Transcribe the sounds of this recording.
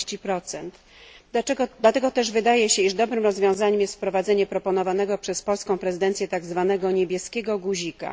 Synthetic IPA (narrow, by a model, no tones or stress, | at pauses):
t͡ɕipɾɔt̪sɛnt̪ | d̪laɛɡɔd̪lat̪ɛɡɔt̪ɛʐvɘd̪ajɛɕɛiʐd̪ɔbɾɘmɾɔzvʲjɔ̃w̃zaɲɛmjɛst̪fpɾɔvad̪zɛɲɛpɾɔpɔnɔvanɛɡɔpʂɛspɔlskɔ̃w̃pɾɛzɘd̪ɛnt̪sjɛt̪aɡzvanɛɡɔɲebʲjɛskʲɛɡɔɡuʑika̰